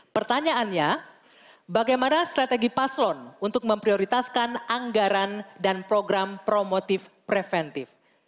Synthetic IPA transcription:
pərt̪aɲaʔanɲa | baɡajmanast̪ɾat̪eɡipaslɔnunt̪ʊk̚məmpɾioɾit̪askanʔaŋɡaɾandanpɾoɡɾampɾomot̪ɪfpɾɛfɛnt̪ɪf

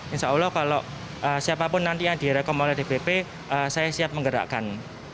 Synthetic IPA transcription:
inʃaulɔhkaloʔ | ʔəsiapapʊnːant̪iad̪̥i̤ɾɛkɔmolɛhd̥ebepe | ʔəsajasiap̚məŋɡəɾa̰ʔkan

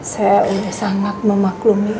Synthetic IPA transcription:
sajaolɛhsaŋat̪̚məmaklumi

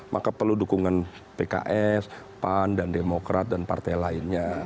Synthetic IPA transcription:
mʔa̰kapərludukuŋan | peka̰ʔɛs | pandandemokɾat̪̚danpa̰rt̪ajlaɪnɲa

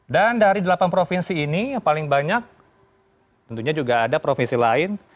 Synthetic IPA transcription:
dandaɾidəlapanpɾofinsiːnijapalɪŋbaɲak̚ | t̪ənt̪uɲad͡ʒuɡaːdapɾofinsilaɪn

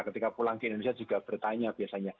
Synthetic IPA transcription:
kət̪ikapulaŋkiʔind̪onesijad͡ʒuɡab̥ərt̪aɲab̥iasaɲa

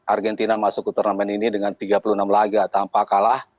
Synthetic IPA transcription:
ʔarɡɛnt̪inamasʊk̚ut̪ərnamɛninidəŋant̪iɡapulunamlaɡat̪ampakalah

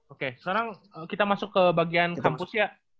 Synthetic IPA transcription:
okesəaɾaŋəkit̪amasʊkːəbaɡiankampʊsjaʔ

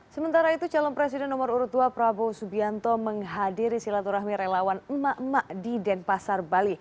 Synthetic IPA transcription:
səmənt̪aɾait̪ut͡ʃalɔnpɾɛsidɛnɔmaɾuɾut̪uapɾabɔsubiant̪ɔməŋɦadiɾisilat̪uɾaɦmiɾelawanəmaʔmaʔdidɛnpasarbali

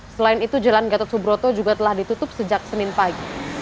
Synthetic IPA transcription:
səlaɪnit̪ud͡ʒalanɡat̪ɔsubɾot̪od͡ʒuɡat̪əlahdit̪ut̪ʊp̚səd͡ʒak̚sənɪnpaɡi

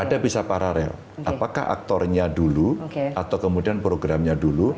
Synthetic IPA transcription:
adabisapaɾaɾɛ̰l | ʔapaka̰hʔa̰k̚t̪ɔrɲaduluʔat̪awkəmudianpɾoɡɾamɲadulu

